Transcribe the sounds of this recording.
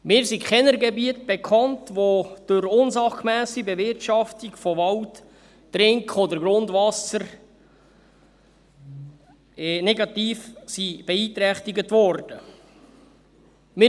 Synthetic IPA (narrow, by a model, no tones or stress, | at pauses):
mɪːɾsikχɛnəɾɡɛbiət̚b̥ɛkʰɑntʋod̥ʊɾʊnzɑχmæːsibɛvɪrtʃɑftiɡ̥fɔʋɑltː | ɾɪŋkχɔdəɾɡɾʊndvɑsəɾ | nɛɡɑt̪iːfsib̥ɛiːt̪ɾɛχtiɡətʋɔɾd̥ə | mɪ